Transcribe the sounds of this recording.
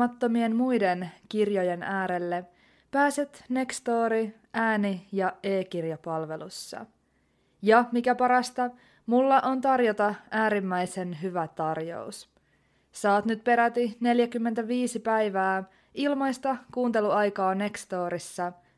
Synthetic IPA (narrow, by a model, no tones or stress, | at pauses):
ɑt̪ːo̞mie̞nmujde̞nkirjo̞je̞nʔæːɾe̞lːe | pæːset̪ne̞kst̪o̞ːɾi | ʔæːnijɑe̞ːkirjɑpɑlʋe̞lusːɑ̰ | jɑmikæpɑɾɑst̪ɑ | mulːɑʔo̞nt̪ɑrjo̞t̪ɑæːɾimːæjse̞nɦyʋæt̪ɑrjo̞̰us | sɑːt̪nyt̪̚pe̞ɾæt̪ine̞ljækymːe̞nt̪æʋiːsipæjʋaː | ilmɑjst̪ɑkuːnt̪e̞luɑjkɑːne̞kst̪o̞ːɾisːɑ